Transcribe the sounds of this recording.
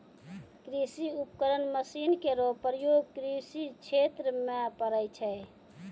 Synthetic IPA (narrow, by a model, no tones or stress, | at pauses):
kɾisiupkəɾənməsinkeɾopəɾjoɡ̚kɾisit͡ʃʰet̪ɾəmepəɾəjt͡ʃʰɛ